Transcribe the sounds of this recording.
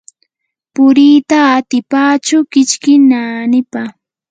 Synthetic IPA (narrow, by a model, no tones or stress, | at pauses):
pʊɾiːt̪aːt̪ɪpaːt͡ʃʊkɪt͡ʃkɪnanɪpa